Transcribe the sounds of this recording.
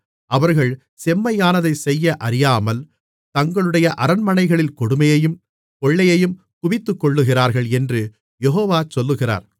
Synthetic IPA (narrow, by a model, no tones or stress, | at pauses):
ʔɐʋɐɾɣɐɭ | sɛmːɐjaːnɐðɐɪsɛjːɐʔɐɾɪjaːmɐl | t̪ɐŋɡɐɭɯɽɐjɐʔɐɾɐnmɐnɐɪɣɐɭɪlkɔɽɯmɐjɐjɯm | kɔɭːɐjɐjɯm | kʊʋɪt̪ːɯkːɔɭːɯɣɪraːɾɣɐɭɛndrɯ | jɛɦoːʋaːt͡ʃɔlːɯɣɪra̰ːɾ